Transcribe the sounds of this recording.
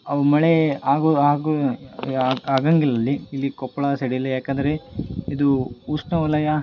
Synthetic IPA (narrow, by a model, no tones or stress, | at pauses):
ɐʋumɐɭeaːɡuaːɡu | aːɡɐŋɡilɐlːiilːikɔpːɐɭɐsɐɽilːejaːkɐnd̪ɐɾeid̪uusnɐulɐjɐ